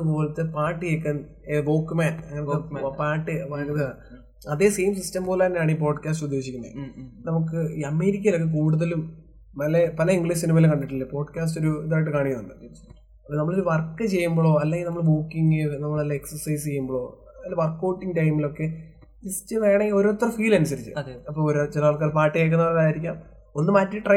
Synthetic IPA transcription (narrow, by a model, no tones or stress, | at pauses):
ɐðɨpo̞ːlɐt̪ːɨpaːʈːɨjeːkːɐn | ʋoːkːumaːnɐŋːɐnɐt̪ːɨpaːʈːɨpakɐðɨ | ɐðe̞ːse̞ːmsistɐmpo̞ːlaːnaːɳip̬o̞ːɖkʲaːstud̪ʱːe̞ːɕikʲːunːɐ̰ð̰nɐmukːɨiɐme̞ːɾik̬ʲːɐjilo̞kːek̬uːɽuðɐlumː | ɐlepɐlɐiŋɡɭissinimɐːilkɐɳɖiʈːilːɐpo̞ːɖkaːs̬to̞ɾuiðaːjʈ̬ːɨkaːɳikːɐnːuɳɖɨ̰ | ɐpːonɐmːɐɭo̞ɾuʋɐrkːɨt͡ɕe̞jːumboːɭo̞ːɐlːeŋɡilnɐmːɐɭbuːkːiŋɡɨnɐmːɐɭɐlːɐeksɐrsɐjs̬t͡ɕe̞jːumboɭo̞ː | lʋɐrkːoːʈːiŋɡʈɐjmilo̞kːe̞ | istːɨʋe̞ːɳeo̞ɾot̪ːrɐfiːlɐnus̬ɐɾit͡ɕːɨ̰ɐɐpːoːɭoɾot͡ɕelɐaːlk̬ːaːlpaːʈːijeːk̬ːunːɐʋɭːɐkaaːjiɾikʲːaːm | o̞nːɨmaːtːɨʈrɐ